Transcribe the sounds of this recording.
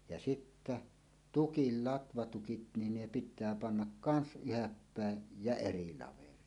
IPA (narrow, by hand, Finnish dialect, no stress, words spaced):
jɑ sitːæ tukil lɑtʋɑtukit nin ne pitˑæː pɑnːɑk kɑns yhæpːæˑej jæ eri lɑʋerˑiːn